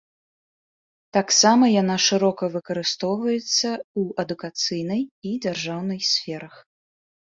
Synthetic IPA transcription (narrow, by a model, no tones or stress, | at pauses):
t̪aksamɐjanaʂɨɾɔkɐvɨkɐɾɨst̪ɔwvɐjɛt̪sːɐuɐd̪ukat̪sɨjnɐjid͡zʲarʐawnɨjsʲfʲɛɾɐx